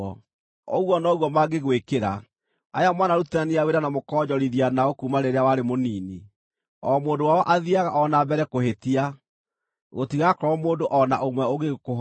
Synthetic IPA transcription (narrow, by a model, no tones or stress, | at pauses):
ɔ | ɔ̰ɣwɔnɔɣwɔmaɡeɣwekeɾa̰ | a̰jamwanaɾutaniaweɾanamokɔːɲɔɾiðianaokuːmaɾeɾeawaɾemoniːni | ɔmoːndowaɔʔaðiaɣaʔɔnabɛɾɛkoɦetia | ɣotiɣakɔɾɔmoːndoʔɔnaʔomwɛoɣekoɦ